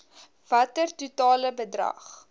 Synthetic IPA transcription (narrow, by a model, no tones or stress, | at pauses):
vɐtərtutɑːləbədrɐ̰χ